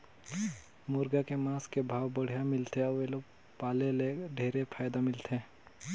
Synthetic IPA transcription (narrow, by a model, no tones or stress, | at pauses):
mʊɾɡakemaːskebʱaːwbəɽ̤ijamɪlt̪eɔʋeloːɡ | paːleleɖʱeːɾepʰaːjd̪amɪlt̪eː